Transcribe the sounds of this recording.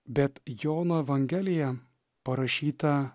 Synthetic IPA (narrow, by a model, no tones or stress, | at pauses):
bʲɛt̪joːnɐɛʋɐŋʲɡʲɛlʲɪjɛ | pɐɾɐʃʲiːt̪ɐ